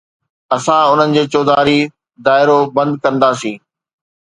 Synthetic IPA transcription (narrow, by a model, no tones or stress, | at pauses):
ɐsãʊn̤ənɪ̆d͡ʑeːt͡ɕoːd̪aːɾi | d̪aːɪɾobɐ̃nd̪̚kɐ̃nd̪aːsĩː